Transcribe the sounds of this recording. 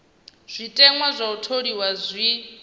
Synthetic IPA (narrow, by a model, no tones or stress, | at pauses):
z̥ʷitʼɛŋwazʷautʰodiwazʷi